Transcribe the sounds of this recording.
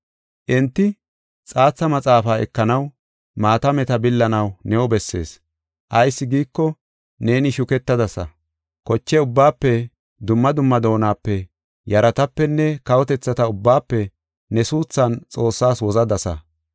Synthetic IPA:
ʔɛnt̪ːɪ | t͡sʼaːt͡sːɐmɐt͡sʼaːfaːɛ̰kːɐnɐw | maːt̪ɐmɛt̪ɐbɪlːɐnɐwnɛwɔbɛsːe̞̰ːs | ʔɐjsːɪɡiːkːɔ | ne̞ːnɪʃʊkɛt̪ːɐd̪ɐsɐ | kɔt͡ʃːɛʊbːaːpːɛ | d̪ʊmːɐd̪ʊmːɐd̪o̞ːnaːpːɛ | jɐɾɐt̪ɐpːɛnːɛkɐwɔt̪ɛt͡sːɐt̪ɐʊbːaːpːɛ | nɛsuːt͡sːɐnt͡sʼo̞ːsːaːswɔzɐd̪ɐsɐ̰

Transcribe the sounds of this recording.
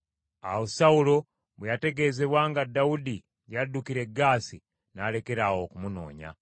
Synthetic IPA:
a̰wosaulo̞ | βejate̞ɡe̞ːze̞βwaːŋɡadːaudi | jadukiɾe̞ɡːaːsi | naːle̞ke̞ɾawo̞kumuno̞̰ːɲa̰

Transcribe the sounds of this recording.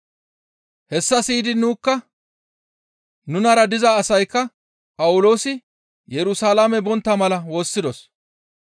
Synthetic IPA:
hɛsːɐsiːd̪ɪnuːkːɐ | nʊnɐɾɐd̪ɪzaːsɐjkːɐ | pʼɐwʊlo̞ːsɪ | jɛɾʊsaːlamɛbɔnt̪ːɐmɐlɐwo̞ːsːɪd̪ɔs

